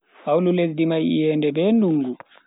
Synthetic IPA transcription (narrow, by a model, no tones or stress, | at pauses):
hawlulesdimajḭjɛːndɛbɛnduŋɡu